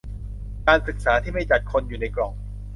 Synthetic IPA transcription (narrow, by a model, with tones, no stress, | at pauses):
kaː˧nsɯ˨˩k̚saː˩˦t̪ʰiː˥˩ma˥˩jt͡ɕa˨˩t̪̚kʰo˧njuː˨˩na˧jklɔ˨˩ŋ